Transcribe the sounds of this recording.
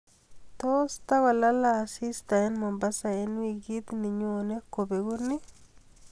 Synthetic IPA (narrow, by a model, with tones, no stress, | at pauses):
t̪ost̪a˦ɡa˨la˦laː˨si˦st̪a˨ɛ˦nmɔ˨mbasa˨enwiɡid̪nɪ˨ɲone˦kobe˨ɡu˦nɪ˦